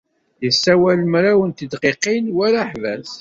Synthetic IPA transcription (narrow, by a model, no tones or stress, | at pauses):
jəsːæwæləmɾæwənt̪əd̪qeqːinwæɾaħvæs